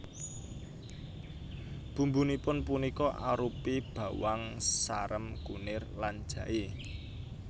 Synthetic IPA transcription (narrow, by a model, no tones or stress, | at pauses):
b̥ṳmbunipʊnpunikɔʔa̰ɾupib̥ä̤waŋsaɾəmkṵnɪrlan̥ʒ̥ä̤ʔe